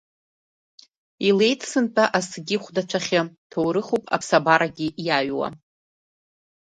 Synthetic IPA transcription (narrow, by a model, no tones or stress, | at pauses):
ile̞jtʰsɨntʼaʔasɡʲɪχʷdat͡ʃʷʰaχʲatʰowɾɨχopʼa̰pʰsabaɾaɡʲiʔjaɥwa̰